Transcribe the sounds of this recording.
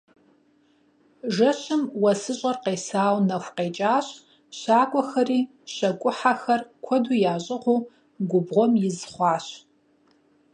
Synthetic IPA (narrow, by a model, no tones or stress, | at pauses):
ʒɐɕɨmwɐsɨɕʼɐrqeːsaːwnɐxʷqeːt͡ʃʼaːɕ | ɕaːkʷʼɔxɐriː | ɕɐkʷʼʊħaxɐrkʷʰɔduːjaːɕʼɪʁʷuː | ɡʷʊbʁʷɔmjɪzχʷɑːɕ